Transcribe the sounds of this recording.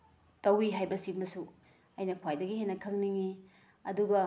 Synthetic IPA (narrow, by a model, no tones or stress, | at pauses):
tɐwiɦajbɐsimbɐsu | ɐjnɐkʰwajdɐɡihenɐkʰɐŋniŋi | ɐduɡɐ